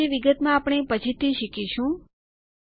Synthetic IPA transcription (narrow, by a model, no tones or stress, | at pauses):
iʋiɡət̪mãapɳ̃epət͡ʃʰit̪ʰiʃikiʃũ